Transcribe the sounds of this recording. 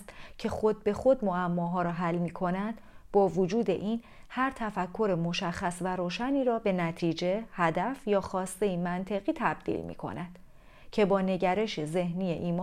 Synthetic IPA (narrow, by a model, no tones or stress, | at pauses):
st̪cʰe̞xo̞d̪̚be̞xo̞d̪̚moæmːɒːɦɒːɾɒːɦælːmiːkʰo̞næd̪̥b̥ɒːvod͡ʒuːd̪e̞̰ʔiːn | hæɾt̪ʰæfækʰːo̞ɾemo̞ʃæxːæsvæɾoːʃæniːɾɒːbe̞næt̪ʰiːd͡ʒe̞hæd̪æfjɒːxɒːst̪e̞imænt̪ʰe̞ɣiːt̪ʰæb̥̚d̪̥ḭlmḭːkʰo̞̰næd̪̥ | cʰe̞bɒːne̞ɟæɾe̞ʃeze̞hniːjḛʔiːmː